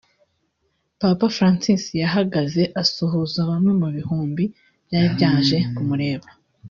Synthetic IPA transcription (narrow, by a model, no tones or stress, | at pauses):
papafɾaːnsisijaɦaɡaze̞ʔasoɦozaβamŋe̞muβihuːmbi | bjaɾibjaːnʒe̞kumuɾe̞ːβḁ